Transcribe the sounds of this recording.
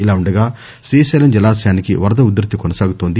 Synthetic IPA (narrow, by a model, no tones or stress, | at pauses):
ilaːuɳɖɐɡaː | ʃɾiːsɐːlɐmd͡ʒɐlaːsjaːnikiʋɐɾd̪ɐud̪ɾit̪ːikɔnɐsaːɡut̪o̞ːnd̪i